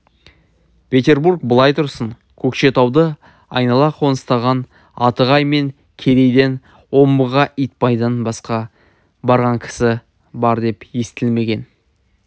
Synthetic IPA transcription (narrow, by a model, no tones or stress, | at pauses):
pʲʰe̞t̪ʲe̞rburk̚bəlˠɑjt̪ʰʊɾsəɴ | kʲʰɵkʃe̞t̪ʰɑwd̪ə | ɑ̰jnɑlˠɑqʰo̞nəst̪ɑʁɑn | ɑt̪əʁɑjme̞ŋ | kʲʰe̞ɾe̞jd̪e̞n | wo̞mbəʁɑʔijt̪̚pɑjd̪ənbɑsqɑ | bɑɾʁɑŋkʲʰɪ̥sɪ | bɑɾd̪e̞pje̞st̪ɪlme̞ɡʲe̞n